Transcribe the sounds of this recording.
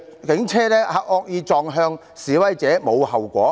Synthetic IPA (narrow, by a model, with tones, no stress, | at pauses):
kɪ˨˥ŋt͡sʰɛː˥lɛː˥hɐ˧k̚ɔː˧k̚jiː˧t͡sɔː˧ŋɦœː˧ŋ | siː˨˥wɐ˨˥jt͡sɛː˨˥mo˨˧whɐ˨wkʷɔ̰ː˨˥